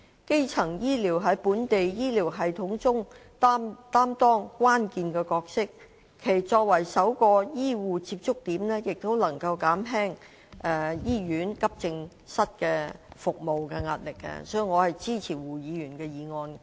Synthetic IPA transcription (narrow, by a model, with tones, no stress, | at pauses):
ke˥jt͡sʰɐ˨˩ŋjiː˥liː˨˩wɦɐ˨˥jpuː˨˥nt̪e˨jjiː˥liː˨˩wɦɐ˨jt̪ʰʊ˨˥ŋt͡sʊ˥ŋt̪ːt̪aː˥mt̪ɔː˥ŋkʷaː˥nkiː˨nkɛː˧kɔː˧k̚sɪ˥k̚ʰː | e˨˩jt͡sɔː˧k̚wɐ˨˩jsɐ˨˥wkɔː˧jiː˥wuː˨t͡siː˧p̚t͡sʊ˥k̚t̪iː˨˥mnɛ˥jɪ˨k̚t̪o˥wlɐ˨˩ŋkɐ˧wkaː˨˥mɦɛː˥ŋ | ɛ˨˧jiː˥jyː˨˥nkɐ˥p̚t͡sɪ˧ŋ | sɐ˥t̚kɛː˧fʊ˨k̚mo˨wkɛː˧ŋaː˧t̚lɪ˨kːɛ̰˧sɔ˨˥i˨˩ŋɔː˨˧hɐ˨jt͡siː˥˩t͡sʰiː˨˩wuː˨˩jiː˨˧jyː˨˩nkɛː˧jiː˨˧ŋɔː˧n